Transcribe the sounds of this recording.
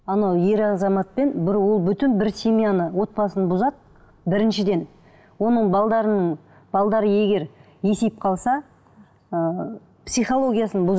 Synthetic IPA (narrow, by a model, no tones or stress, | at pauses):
ɑnowje̞ɾɑzɑmɑt̪̚pe̞nbɪɾwo̞lˠbʏt̪ɪnbɪɾsʲemijanəwo̞t̪̚pɑsənbʊzɑd̪ | bɪɾɪnʃɪd̪e̞n | wo̞nəɴbɑlˠd̪ɑɾənəɴ | b̥ɑlˠd̪ɑɾəje̞ɡʲe̞ɾ | je̞sejp̚qʰɑlˠsɑ | ə | psijχolˠo̞ɡʲijasənbʊz